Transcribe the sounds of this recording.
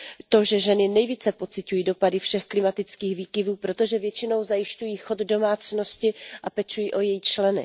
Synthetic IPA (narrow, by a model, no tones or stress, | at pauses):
t̪o̞ʒɛʒɛnɪnɛjviːt͡sɛpo̞t͡sɪcujiːdo̞padɪfʃɛxklɪmat̪ɪt͡skiːxviːkɪvuːpɾo̞t̪o̞ʒɛvjɛt͡ʃɪno̞wzajɪʃcujiːxod̪do̞maːt͡sno̞scɪʔapɛt͡ʃujiːʔo̞jɛjit͡ʃlɛnɪ̰